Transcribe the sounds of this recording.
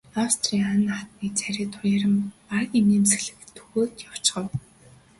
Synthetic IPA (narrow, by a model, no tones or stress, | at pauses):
awst̪ʰriːanat̪niːt͡sʰæɾʲiːt̪ʰʊjaɾə̆marəkimeːms̆ɮɘ̆kt̪ʰːɵɣoːt̪jaw̥t͡ɕɢə̆w